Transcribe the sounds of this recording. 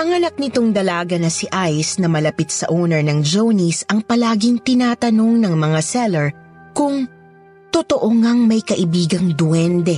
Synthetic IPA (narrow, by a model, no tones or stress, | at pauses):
ʔɐŋɐnɐk̚nɪt̪oŋd̪ɐlaːɡɐnɐsiʔajsnɐmɐlɐpɪt̪̚sɐʔownɛɹnɐŋd͡ʒownisɐŋpɐlaːɡɪŋt̪ɪnaːt̪ɐno̞ŋnɐŋmɐŋasɛlɛɹ | kʊŋ | t̪ot̪oʔoŋaŋmɐjkɐʔɪbiːɡɐŋd̪wɛnd̪ɛ